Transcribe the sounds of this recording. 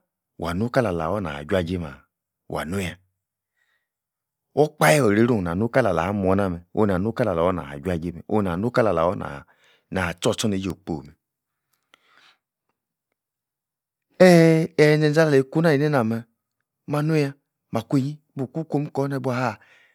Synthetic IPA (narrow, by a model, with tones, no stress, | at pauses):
wa̰˨nu˦ka˦la˨la̰˨wɔ˦na̰˨a̰˨d͡ʒa˨d͡ʒe˦ma̰˨ | wa̰˨nu˦ja˨ | wɔ˦k͡pa˦je˦ɔ˨ɾe˨˦ɾo˦˨na˨nu˦ka˦la˨la̰˨a˦m˨ɔ˨˦na˦mɛ˨o̰˨˦˨na˨nu˦ka˦la˨la˨ɔ˦na̰˨a̰˨d͡ʒu˦a˦˨d͡ʒe˦mɛ̰˨o̰˦˨na˨nu˦ka˦la˨la̰˨wɔ˦na̰˨ | na˨t͡ʃɔ˦t͡ʃɔ˦ne˨˦d͡ʒo˨k͡po̰˨mɛ˨ | ɛ˦ɛ˨˦zɛ˨n˦a˦la˨le˨˦˨ku˦na˦˨i˨ne˦na˨mɛ˨ | ma˨no˦ja˦ | ma˨kʷu˦e˦˨ɲi˦bu˨ku˦ko˦m˦kɔ˦nɛ˨bu˦a˨ha˦˨